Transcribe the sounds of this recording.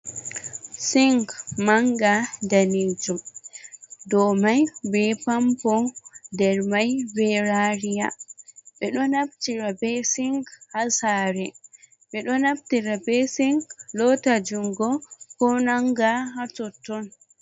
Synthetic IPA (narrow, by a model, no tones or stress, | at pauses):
siŋkmaŋɡadaned͡ʒum | dɔmajbɛpampɔdɛɾmajbɛɾaɾija̰ɓɛɗɔnabtiɾabɛsiŋɡhasaɾɛ | ɓɛɗɔnab̚tiɾabɛsiŋklɔtad͡ʒumɡɔkɔnaŋɡaɦatɔtːɔn